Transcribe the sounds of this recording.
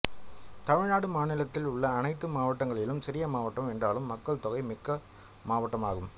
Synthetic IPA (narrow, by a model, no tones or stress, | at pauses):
t̪ɐmɪɻnaːɽɯmaːnɪlɐt̪ːɪlʊɭːɐːnɐɪt̪ːɯmaːʋɐʈːɐŋɡɐɭɪlɯmsɪɾɪjɐmaːʋɐʈːɐmɛndraːlɯmːɐkːɐɭt̪ɔɣɐɪmɪkːɐ | maːʋɐʈːɐmaːɣɯm